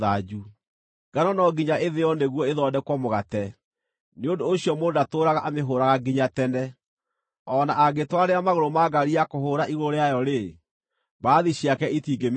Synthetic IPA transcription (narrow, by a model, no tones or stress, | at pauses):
ðad͡ʒu | ɡ̥anɔnɔɡiɲaʔeðejɔneɣwɔeðɔːdɛkwɔmoɣatɛ | neondoːɕiɔmoːdatoːɾaɣaʔameɦoːɾaɣaɡiɲatɛnɛ | ɔːnaʔaɡetwaɾeamaɣoɾomaːɡaɾiakohoɾaʔiɣoɾeajɔɾe | baːðiɕiakɛitiːɡem